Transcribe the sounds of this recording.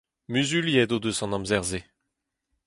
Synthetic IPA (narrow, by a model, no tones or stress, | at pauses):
myzyljɛd̪od̪øsɑ̃nɑ̃mzɛʁze